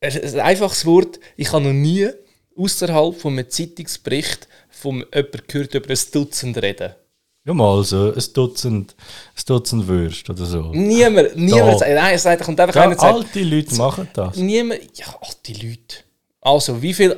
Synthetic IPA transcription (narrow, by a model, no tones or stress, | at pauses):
ɛsa̰ɪfɑχsvɔɾtɪχhɑnɔniə | usəɾɦɑlˠpfɔməət͡sitɪkspɾɪχt | fɔmʔœpəɾkʰøːɾtʏbəɾəsd̥ʊt͡səndrɛd̥ə | jomɑlsoəsd̥ʊt͡sənt | əsd̥ʊt͡sn̩dvøɾʃtodəɾsoːniəməɾniəməɾnaɪɛsaɪtχʊntaɪfɑχaɪnət͡saɪltilyːtmɑχəd̥ɑːniəməjɑɑltilyːt | ʔɑlsovifil